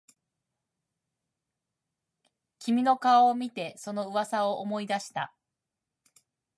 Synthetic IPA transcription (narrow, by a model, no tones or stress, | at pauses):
kʲimʲino̞kaaomʲit̪e̞so̞no̞ɯ̟βasao̞ʔomo̞id̪aɕi̥t̪a